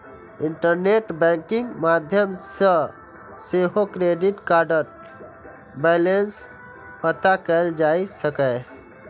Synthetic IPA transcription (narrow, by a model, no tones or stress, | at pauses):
iɳʈəɾneʈbɛ̃ŋkiŋɡmad̪ʱjəmsə̃ | seɦokɾeɖiʈkaɾɖəɾ̚ | bɛlens | pət̪akəɪld͡ʒaisəkə